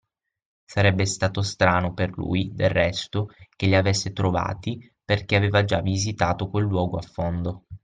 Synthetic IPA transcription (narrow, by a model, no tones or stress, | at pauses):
saɾɛbːest̪aːt̪ost̪ɾaːnoperlṵjd̪erːɛst̪ok̟eʎːiavesːet̪ɾova̰ːt̪i | perk̟eaveːvad͡ʒavːizit̪aːt̪okwelːwɔːɡoafːond̪o